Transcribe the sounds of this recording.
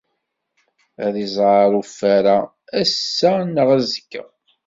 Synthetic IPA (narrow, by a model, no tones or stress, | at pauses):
æðizˤʕɑɾˤufːæɾa | æsːænəʁæzəkːə̰